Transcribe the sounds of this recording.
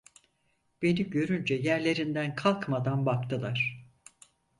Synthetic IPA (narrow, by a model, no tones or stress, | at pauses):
b̥e̞niɟø̞ɾynd͡ʒɛjæɾlʲe̞ɾind̪ænkʰalˠkmad̪anbakt̪ʰɯlˠaɾ̥